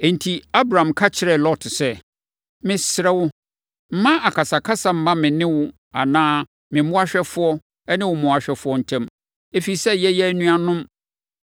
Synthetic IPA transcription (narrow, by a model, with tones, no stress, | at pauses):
e˨n̩˨tʰi˨a˦bɾa˨ã˨mkʰa˦t͡ɕʰɪ˨ɾɛ˨lɔ˦tʰsɛ˦˨ | mɪ̃˦sɪ˨ɾɛ˦wʊ˦ | m̩˦mã˦ʔa˨kʰa˨sa˨kʰa˦sa˨m̩˦mã˦mɪ̃˨nɪ̃˦wʊ˦ | a̰˨nãː˦ | mɪ̃˨˦ʊ̃˦a˦ɕᶣɛ˦fʊ˦ɔ˦ | ɛ˦nɪ̃˦wʊ˨mʊ̃˨a˨ɕᶣɛ˦fʊ˦ɔ˦n̩˨tʰɛ̃˦m | e˦fi˨i˨sɛ˦jɛ˦jɛ˦æ˦nũ˦a˨nʊ̃˦m